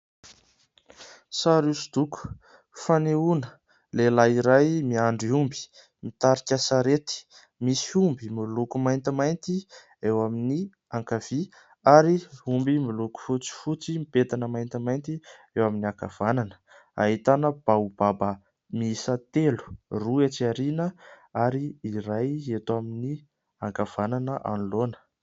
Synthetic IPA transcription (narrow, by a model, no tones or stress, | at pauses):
saɾusud̪̥uku̥ | faneunə | lelaiɾajmiaɳɖ͡ʐiumbi̥ | mit̪aɾikʲasaɾet̪i̥ | misiumbimilukumajnt̪imajnt̪i | ewamini | aŋkav̥i | aɾiumbimuluku̥fut͡si̥fut͡simipet̪anəmajnt̪imajnt̪i | ewaminiaka̰v̥ananə̥ | a̰ɦit̪anəb̥aub̥abə | miisat̪elu̥ruet͡siaɾinə | aɾiːɾajet̪amini | aŋkav̥ananəʔa̰nlonə̥